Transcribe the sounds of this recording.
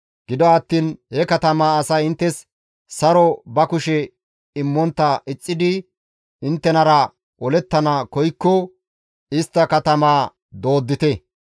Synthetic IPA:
ɡ̥ɪd̪ɔɐt̪ːiːnhɛkɐt̪ɐmaːɐsɐjɪnt̪ːɛs | sɐɾɔbɐkʊʃɛ | ɪmːɔnt̪ːɐʔɪt͡sʼːɪd̪ɪ | ɪnt̪ːɛnɐɾɐ | ʔɔlɛt̪ːɐnakɔjkːɔ | ɪst̪ːɐkɐt̪ɐmaː | d̪o̞ːd̪ːɪt̪ɛ

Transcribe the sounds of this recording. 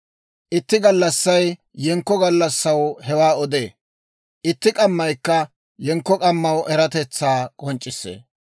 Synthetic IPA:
ʔɪt̪ːɪɡɐlːɐsːɐjː | ɛŋkːɔɡɐlːɐsːɐwhɛwaːɔd̪eː | ʔɪt̪ːɪkʼɐmːɐjkːɐ | jɛŋkːɔkʼɐmːɐwʔɛɾɐt̪ɛt͡sːaːkʼɔnt͡ʃʼːɪsːḛː

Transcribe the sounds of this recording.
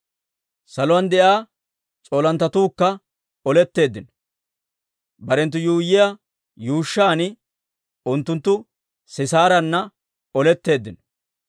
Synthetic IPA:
sɐlʊwɐnd̪ɛʔaː | t͡sʼoːlɐnt̪ːɐt̪uːkːɐ | ɔlɛt̪ːe̞ːd̪ːɪnɔ̥ | bɐɾɛnt̪ːʊjuːjːɪja | juːʃːaːnɪ | ʊnt̪ːʊnt̪ːʊ | sɪsaːɾɐnːɐ | ɔlɛt̪ːe̞ːd̪ːɪnɔ̥

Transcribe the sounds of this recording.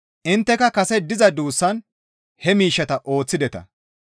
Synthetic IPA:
ʔɪnt̪ːɛkɐkɐsɛd̪ɪzɐd̪uːsːɐn | hɛmiːʃːɐt̪ɐʔo̞ːt͡sːɪd̪ɛt̪ɐ̰

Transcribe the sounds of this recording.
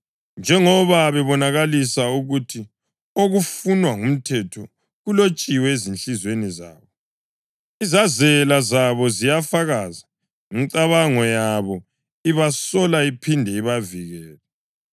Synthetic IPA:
nd͡ʒʱɛŋɔβaβɛβɔnaɣalisauɣutʰi | oɣufunwaŋum̩tʰɛtʰɔ | ɣulot͡ʃʼiwɛezinɬizweniza̰ːβɔ | izazɛlazaβɔzijafaɣaza | iŋǀaβaŋɔjaβɔ | iβasɔlaipʰindʱɛiβaviɣɛːlɛ

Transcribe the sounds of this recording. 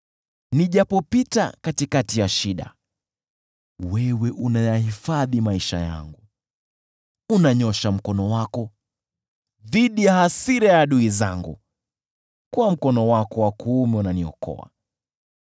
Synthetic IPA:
niʄapɔpita̰katikatijaʃiɗa̰ | wɛwɛʔunajahifaðimaiʃa̰ja̰ŋɡu | unaɲɔʃam̩kɔnɔwakɔ | ðiɗijahasiɾajaɗuiza̰ŋɡṵ | kuwam̩kɔnɔwakɔwakuːmɛunaniɔ̰kʰɔ̰a̰

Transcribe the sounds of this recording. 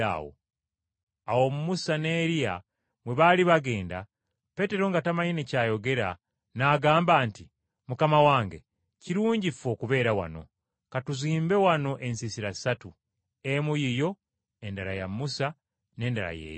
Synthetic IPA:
a̰wo̰ | awo̞mumusane̞ːɾia̰ | mwe̞βaliβaɡe̞ːnda̰ | pe̞te̞ɾo̞ŋɡatamaɲinecaːjo̞ɡe̞ɾa | naɡaːmbaːnti | mukamawaːŋɡe̞ | ciɾuːɲɟifo̞ːkuβe̞ːɾawa̰no̞̰ | katuziːmbe̞wano̞ʔe̞nsisiɾaisatu | emujijo̞ | e̞ndaɾa̰ja̰musa | ne̞ːndaɾa̰jḛːjo

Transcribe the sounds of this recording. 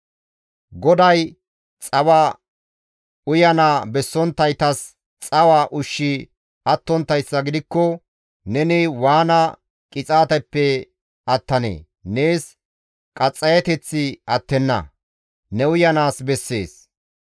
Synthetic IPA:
ɡɔd̪ɐj | t͡sʼɐwa | ʊjɐnaːbɛsːɔnt̪ːɐjt̪ɐs | t͡sʼɐwaːʔʊʃːɪ | ɐt̪ːɔnt̪ːɐjsːɐɡɪd̪ɪkːɔ | nɛnɛwaːnɐ | kʼɪt͡sʼaːt̪ɐpːɛ | ɐt̪ːɐnḛː | ne̞ːs | kʼɐt͡sʼːɐjɐt̪ɛt͡sːɪɐt̪ːɛnːɐ̰ | nɛʊjɐnaːsbɛsːe̞̰ːs

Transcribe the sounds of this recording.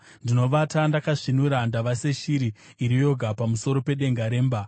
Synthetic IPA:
ndino̞ʋatandakaʐinuɾandaʋase̞ʃiɾiː | ɾijo̞ɡʱapamuso̞ɾo̞pe̞ɗe̞ŋɡaɾe̞ːmba

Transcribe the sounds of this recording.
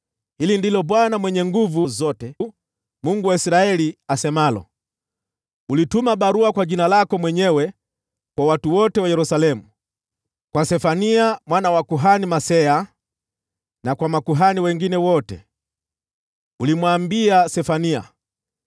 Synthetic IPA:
hilindilɔɓwanamwɛɲɛŋɡuvuzɔtɛ | muŋɡuwaisɾaɛliasɛmalɔ̰ | ulitumaɓaɾuakwaʄinalakɔmwɛɲɛwɛ | kwawatuwɔtɛwajɛɾusalɛmu | kwasɛfaniamwanawakuɦanimasɛa | nakwamakuɦaniwɛŋɡinɛwɔtɛ̰ | ulimwambiasɛfania̰

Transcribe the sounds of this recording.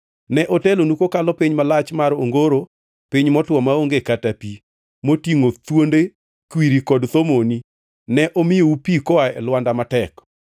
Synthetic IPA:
nɛʔotelonukokalɔpiɲmalat͡ʃmaɾo̰ŋɡoɾo | piɲmɔtwɔmaoŋɡekatapi | motiŋot̪wonde | kwiɾikɔdt̪omoni | nɛʔomɪjoupikɔaɛ̰lwandamatɛk

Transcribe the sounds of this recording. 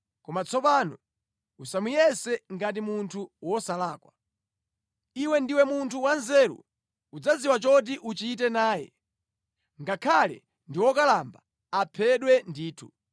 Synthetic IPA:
kɔmat͡sʰɔpanɔ | usamujɛsɛŋɡat̬imuntʰuwɔsalaːkwa | iwɛndiwɛmuntʰuwanzɛɾṵ | ud͡zaziwat͡ʃɔt̬iʔut͡ʃit̬ɛnaːjɛ̰ | ŋɡakʰalɛ̰ | ndiwɔkalamba | apʰɛɗwɛndiːtʰu

